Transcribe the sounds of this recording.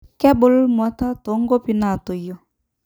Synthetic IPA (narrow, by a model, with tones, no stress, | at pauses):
kɛ˦bʊ˦lmwa˨˦ta˦to˨˦ŋɡo˦pi˨na˨to˨jɔ˨